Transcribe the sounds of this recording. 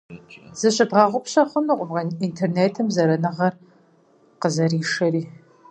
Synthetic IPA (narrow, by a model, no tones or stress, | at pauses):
z̥ɨɕɐdʁɑʁʷʊpɕɐχʷʊnɨqʷʼʊbʁɐintʰerneːtʰɨmzɐɾɐnɨʁɐr | qəzɐɾiːʂɐɾiː